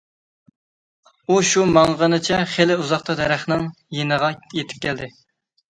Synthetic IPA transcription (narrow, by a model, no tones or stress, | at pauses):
uʃumɑŋʁənɨt͡ʃʰɛχelɪuzɑχt̪ɑd̪ɛɾæχnɪŋ | jenəʁɑjet̪ʰɪ̥p̚kʲʰɛld̪ɪ